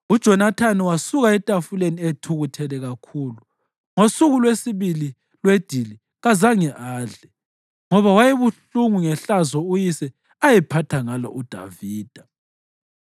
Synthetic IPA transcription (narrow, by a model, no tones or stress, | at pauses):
ud̥ʒ̥ʱɔnatʰaniwasuɣaɛtʼafulenietʰuɣutʰɛlɛɣakʰuːlu | ŋosuɣulwesiβili | lwed̥ʱili | ɣazaŋɛʔaːɮɛ | ŋɔβawajeβuɬuŋuŋɛɬazɔujisɛ | ajɛpʰatʰaŋalɔ̰ʔud̥ʱa̰viːd̥ʱa